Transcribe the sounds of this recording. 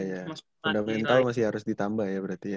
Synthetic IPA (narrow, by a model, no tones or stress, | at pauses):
ja | fundamɛnt̪almas̬ɪhaɾʊsdit̪ambahjabəɾart̪ija